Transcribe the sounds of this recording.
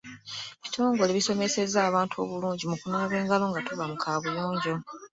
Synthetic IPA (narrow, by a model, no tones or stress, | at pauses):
βitʰo̞ːŋɡole̞βiso̞me̞se̞zaːβaːntʰuo̞̰βuluːɲɟimukunoːβe̞ːŋɡalo̞ŋɡatuβamukʰaːβujoːɲɟo̞